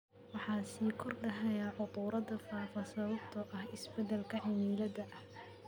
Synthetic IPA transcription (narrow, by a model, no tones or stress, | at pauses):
wɑħɑːsiːkʰɔrɖɐɦɛjaʕʊt̪ˤuːɾɐdɐfaːfɐsɐβɐb̚t̪ʰɐʔɐhɪsbɛd̪ɛlkʰɐʕɪmiːlɐðɐʔɐh